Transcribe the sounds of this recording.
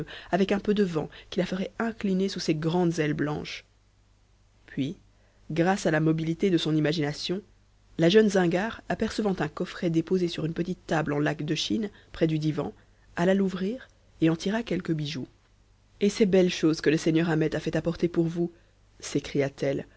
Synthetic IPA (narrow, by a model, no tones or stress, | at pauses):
avɛkɛ̃pød̪əvɑ̰̃kʲilafəʁɛɛ̃klinesuseɡʁɑ̃d̪zɛlblɑ̰̃ʃ | pʰɥi | ɡʁasalamɔbilit̪ed̪əsɔ̃nimaʒinasjɔ̃ | laʒœnzɛ̃ɡaʁapɛʁsəvɑ̃t̪ɛ̃kɔfχɛd̪epozesyʁynpət̪it̪ːablɑ̃lakd̪əʃin | pχɛd̪yd̪ivɑ̰̃ | alaluvʁiːʁ | eɑ̃t̪ʰiʁakʲɛlkəbiʒu | esɛbɛlʃozkələseɲœʁamɛt̪afɛt̪apɔʁt̪epuʁvu | sekχijat̪ɛl